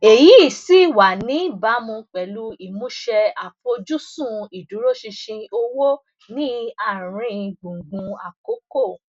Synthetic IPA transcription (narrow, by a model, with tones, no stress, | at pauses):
e˨ji˨˦i˦˨si˦˨wa˨nĩ˨˦˨ba˨˦mũ˧k͡pɛ˨lu˦i˨mũ˦ʃɛ˧a˨fo˧d͡ʒu˦sũ˦˨i˨du˨˦ɾo˦ʃi˧ʃĩ˧o˧wo˦ | nĩ˦a˦˨ɾ̃ĩ˧˦ɡ͡bũ˨ɡ͡bũ˧a˨ko˨˦ko˦˨